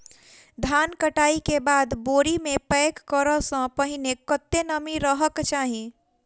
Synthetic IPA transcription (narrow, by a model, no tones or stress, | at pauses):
d̪ʱaːnkəʈaːikebaːd̪boːɾimẽpɛːkːəɾəsə̃pəɦɪnekət̪ːenəmiɾəɦəkt͡ʃaːɦĩ